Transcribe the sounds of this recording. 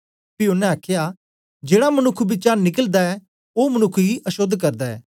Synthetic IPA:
piʊnːɛ̃aːkʰɪjaː | d͡ʒeːɽamənʊkʰːbɪt͡ʃaːnɪkəld̪aɛ | oːmənʊkʰːɡiʔɐʃod̪ʱkəɾd̪aɛ̰ː

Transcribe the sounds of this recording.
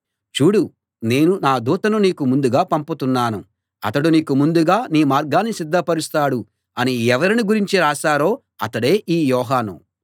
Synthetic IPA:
t͡ʃuːɽu | ne̞ːnunaːd̪uːt̪ɐnuniːkumund̪uɡaːpɐmput̪unːaːnu | ɐt̪ɐɽuniːkumund̪uɡaːniːmaːɾɡaːnːisid̪ːɐpɐɾist̪aːɽu | ɐniɛʋɐɾiniɡuɾiɲt͡ʃiɾaːʃaːɾo̞ː | ɐ̰t̪ɐɽe̞ːʔiːjɔːɦaːnṵ

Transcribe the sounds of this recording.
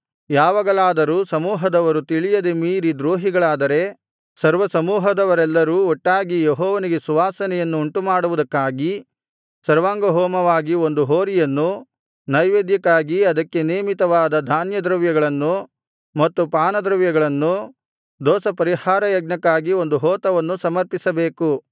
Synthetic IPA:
jaːʋɐɡɐɭaːd̪ɐɾuːsɐmuːɦɐd̪ɐʋɐɾut̪iɭijɐd̪emiːɾid̪ɾoːɦiɡɐɭaːd̪ɐɾe̞ | sɐɾʋɐsɐmuːɦɐd̪ɐʋɐɾɛlːɐɾuːɔʈːaːɡijeɦɔːʋɐniɡe̞suʋaːsɐnɛjɐnːuːɳʈumaːɽuʋud̪ɐkːaːɡi | sɐɾʋaːŋɡɐɦɔːmɐʋaːɡio̞nd̪uɦoːɾijɐnːu | nɐjʋeːd̪jɐkːaːɡiɐd̪ɐkːe̞neːmit̪ɐʋaːd̪ɐd̪ʱaːnjɐd̪ɾɐʋjɐɡɐɭɐnːu | mɐt̪ːupaːnɐd̪ɾɐʋjɐɡɐɭɐnːu | d̪ɔːsɐpɐɾihaːɾɐjɐɡ̚nɐkːaːɡio̞nd̪uɦɔːt̪ɐʋɐnːusɐmɐɾpisɐbeːku

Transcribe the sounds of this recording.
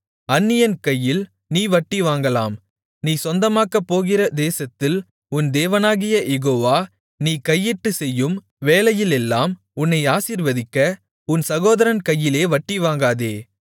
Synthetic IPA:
ɐnːɪjɐnkɐjːɪl | niːʋɐʈːiʋaːŋɡɐlaːm | niːsɔnd̪ɐmaːkɐpːoːɣɪɾɐd̪eːsɐt̪ːɪl | ʊnd̪eːʋɐnaːɣɪjɐjɛɣoːʋaː | niːkɐjːɪʈːɯsɛjːɯm | ʋeːlɐjɪlɛlːaːm | ʊnːɐɪaːsiːɾʋɐðɪkːɐ | ʊnsɐɣoːðɐɾɐnkɐjːɪleːʋɐʈːiʋaːŋɡaːðeː

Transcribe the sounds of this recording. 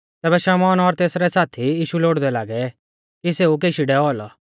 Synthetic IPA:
t̪ɛːbɛʃɛmɔːnɔɾt̪eːsɾɛsaːt̪ʰiiːʃuloːɽd̪ɛlaːɡɛ | kiseːuk̬eːʃiɖɛɔlɔ

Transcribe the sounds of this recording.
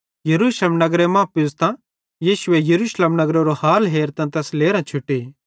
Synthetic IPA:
jɐɾuːslemnɐɡɾemãːpɪzt̪ã | jiːʃʊejɐɾuːsleːmnɐɡɾoɾohaːlɦeːɾt̪ãt̪ɛːsleːɾãt͡ʃʰʊʈːe

